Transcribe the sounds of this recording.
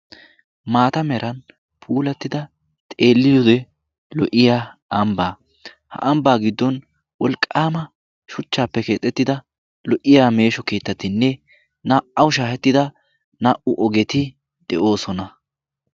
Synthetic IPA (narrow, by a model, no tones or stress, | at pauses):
maːt̪ɐmɛɾɐn | pʰuːlɛt̪ːɪd̪ɐ | t̪ʼe̞ːlːɪjɔd̪ɛ | lɔʔɪjaːɐmbaː | hɐ̰ʔɐmbaːɡɪd̪ːɔn | wɔlkʼːaːmɐ | ʃʊt͡ʃːaːpːɛke̞ːt̪ʼːɛt̪ːɪd̪ɐ | lɔʔɪjaːme̞ːʃɔke̞ːt̪ːɐt̪ɪnːɛ | naːʔɐwʊʃaːhɛt̪ːɪd̪ɐ | naːʔʊʔɔɡɛt̪ɪ | d̪̥ɛʔo̞ːsɔnɐ